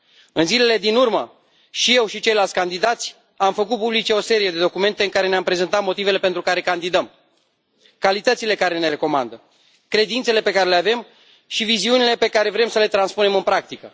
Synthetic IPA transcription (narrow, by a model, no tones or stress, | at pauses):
ɨnzile̞le̞d̪inurmə | ʃije̞wʃit͡ʃe̞jlalt̪sʲkand̪id̪at̪sʲ | amfəkut̪̚publit͡ʃe̞o̞se̞ɾije̞d̪e̞d̪o̞kume̞nt̪e̞ɨŋkaɾe̞neampɾe̞ze̞nt̪at̪mo̞t̪ive̞le̞pe̞nt̪ɾukaɾe̞kand̪id̪əm | kalit̪ət̪sile̞kaɾe̞ne̞ɾe̞ko̞ma̰nd̪ə | kɾe̞d̪int̪se̞le̞pe̞kaɾe̞leave̞m | ʃiviziunile̞pe̞kaɾe̞vɾe̞msəle̞t̪ɾanspune̞mɨnpɾak̚t̪ikə̰